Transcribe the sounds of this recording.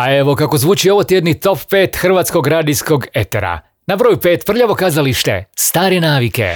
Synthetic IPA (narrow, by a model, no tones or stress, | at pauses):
ae̞ʋo̞kako̞zʋuːt͡ʃio̞ʋot̪jed̪nit̪o̞ppe̞ːt̪xr̩ʋaːt̪sko̞ɡɾad̪isko̞ɡe̞t̪e̞̰ɾa̰ | nabɾoːjupe̞ːt̪pr̩ʎaʋo̞kaːzaliʃt̪e̞̰st̪aːɾe̞naːʋike̞̰